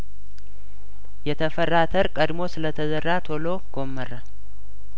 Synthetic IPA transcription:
jɛt̪ʰəfərːat̪ʰəɾkʼəd̪mo̞sɨlət̪ʰəzərːat̪ʰo̞loɡ̥o̞mːərə

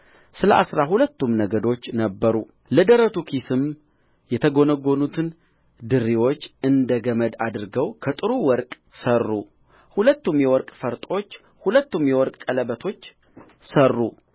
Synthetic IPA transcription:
sɨləʔa̰sɾaɦulət̪ːumnəɡəd̪o̞t͡ʃːnəbːəɾu | ləd̪əɾət̪ʰukʰisɨm | jɛt̪ʰəɡo̞nəɡo̞nut̪ʰɨn | d̪ɨɾːiwot͡ʃːɨnd̪əɡəməd̪ad̪ɨɾɨɡəwkʰət̪ʼɨɾuwɔɾkʼ | sərːu | hulət̪ːumjɛwɔɾkʼfəɾt̪ʼo̞t͡ʃː | hulət̪ːumjɛwɔɾkʼkʼələbət̪ʰo̞t͡ʃː | sərːu

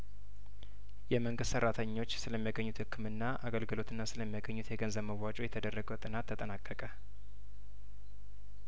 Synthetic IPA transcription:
jɛməŋɡɨssəɾːat̪ʰəɲːo̞t͡ʃːsɨləmːijaɡəɲːut̪hɨkʰːɨmɨnːaʔaɡəlɡɨlo̞t̪ʰɨnːasɨləmːijaɡəɲːut̪jɛɡənzəβməwːat͡ʃʼojɛt̪ʰəd̪ərːəɡəwt̪ʼɨnat̪ʰːət̪ʼənakʼːəkʼə

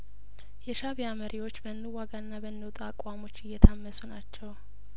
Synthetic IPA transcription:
jɛʃaβijaməɾʔiwo̞t͡ʃːbənːɨwːaɡaɨnːabənːɨwt̪ʼakʼwamo̞t͡ʃːɨjːɛt̪ʰamːəsunat͡ʃːɛw

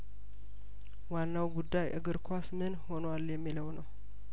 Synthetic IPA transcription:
wanːawɡud̪ːajʔɨ̰ɡɨɾkʰʷasmɨnho̞nwaljɛmːiləwnəw

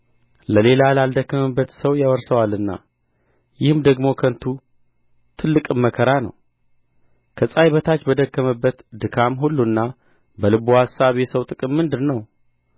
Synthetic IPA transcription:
ləle̞lalald̪əkːəməbːət̪səwjawəɾsəwalɨnːa̰ | jɪhɨmd̪əɡmo̞kʰənt̪ʰu | t̪ʰɨlːɨkʼɨmːəkʰəɾanə̰w | kʰəsʼajβət̪ʰat͡ʃːbəd̪əkːəməbːət̪d̪ɨkʰamɦulːuɨnːa | bəlɨbuhasːaβjɛsəwt̪ʼɨkʼɨmːɨnd̪ɨɾnəw

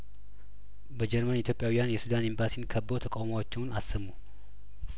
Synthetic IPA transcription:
bəd͡ʒɛɾmənit̪ʰjopʼjawijanjɛsud̪animbasinkʰəbːowt̪ʰəkʼawmawot͡ʃːɪwnasːəmːu

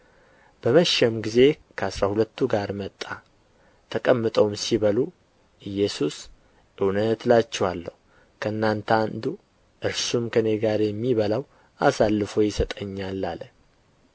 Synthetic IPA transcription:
b̥əməʃɛmɡize̞kʰəasɾahulət̪ːuɡaɾmət̪ʼːa | t̪ʰəkʼəmːɨt̪ʼəwmsiβəlu | ʔɨjːɛsus | ʔɨwnət̪lat͡ʃːɛwalːəhu | kʰəɨnːant̪ʰand̪u | ʔɨɾsumkʰəne̞ɡaɾjɛmːiβəlaw | asalːɨfo̞jɪsət̪ʼəɲːalːalə

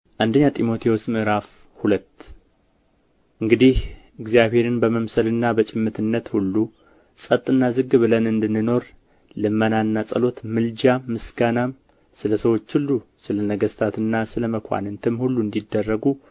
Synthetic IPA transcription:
ʔand̪əɲːat̪ʼimo̞t̪ʰeosmɨɨɾaf | hulət̪ː | ʔɨŋɡɨd̪ih | ɨɡzijaβhe̞ɾɨnbəməmsəlɨnːabət͡ʃʼɪmːɨt̪ʰɨnːət̪hulːu | sʼət̪ʼːɨnːazɨɡbɨlənɨnd̪ɨnːɨno̞ɾ | lɨmːənanːasʼəlo̞t̪mɨld͡ʒaːɨsɡanam | sɨləsəwo̞t͡ʃːhulːusɨlənəɡəst̪ʰat̪ɨnːasɨləməkʰʷa̰nɨnt̪ʰɨmhulːuɨnd̪id̪ːərːəɡu

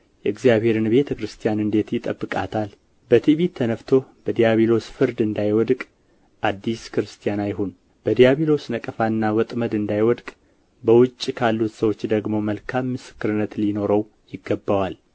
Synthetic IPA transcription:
jɛɨɡzijaβhe̞ɾɨnbe̞t̪ʰəkɾɨst̪ʰijanɨnd̪e̞t̪jɪt̪ʼəbːɨkʼat̪ʰal | bət̪ʰiβit̪ʰːənəft̪ʰo̞b̥əd̪ijaβilo̞sfɨɾd̪ɨnd̪ajwɔd̪kʼ | ʔad̪ːiskɾɨst̪ʰijanajɦon | b̥əd̪ijaβilo̞snəkʼəfanːawɔt̪ʼməd̪ɨnd̪ajwɔd̪kʼ | bəwʊt͡ʃʼːikʰalːut̪səwo̞t͡ʃːd̪əɡmo̞məlkʰamːɨsɨ̥kːɨɾɨnːət̪lino̞ɾəw | jɪɡːəbːawal

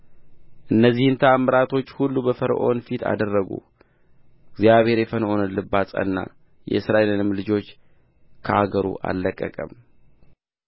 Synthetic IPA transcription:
ʔɨnːəzːihɨnt̪ʰəamːəɾat̪ʰo̞t͡ʃːhulːubəfəɾ̰ʔo̞̰nfit̪ʰa̰d̪ərːəɡṵ | ɡzjaβhe̞ɾjɛfənʔo̞nəlɨbːasʼə̰nːa̰ | jɛ̰ɨsɾaʔelɨnɨmlɨd͡ʒo̞t͡ʃː | kʰəʔaɡəɾṵʔa̰lːəkʼːəkʼəm

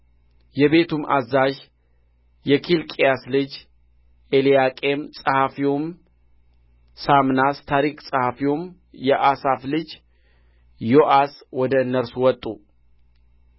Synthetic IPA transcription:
jɛbe̞t̪ʰumʔa̰zaʒ | jɛkʰilkʼijaslɨd͡ʒ | ʔeliakʼemsʼəhafiom | samnast̪ʰaɾikʼsʼəhafiwom | jɛʔasaflɨd͡ʒ | joʔaswɔd̪əɨnːəɾsuwɔt̪ʼːu

